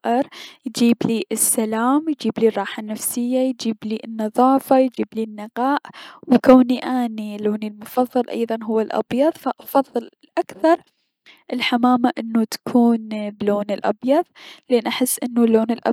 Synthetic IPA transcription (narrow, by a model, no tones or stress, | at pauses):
ʔɪɾjd͡ʒiːbliːɪsːalaːmjd͡ʒiːbliːrˤːɑːħanːafsɪjːajd͡ʒiːbliːʔnːɑðˤɑːfajd͡ʒiːbliːnːɪqɑːʔwkawniʔaːniloːnilmʊfɑðˤːɑlʔɑ̰jðˤɑnɦʊwːalʔɑ̰bjɑðˤfaʔɑfɑðˤːɨl | ʔakθɑɾˤ | ʔɪlħamaːmaʔɪnːut̪ḁkʰuːnbloːnɪlʔɑbjɑðˤlʔeːnʔaħɪsːʔɪnːulːoːnɪlʔ